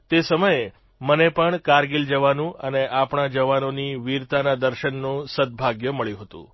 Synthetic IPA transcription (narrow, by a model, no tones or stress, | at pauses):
t̪esəməje | mənepəɳkaɾɡild͡ʒəʋanũəneʔapɳad͡ʒəʋanoniʋiɾt̪anad̪əɾʃənːũsəd̪̚bʱaɡjəməɭjũɦət̪ṵ̃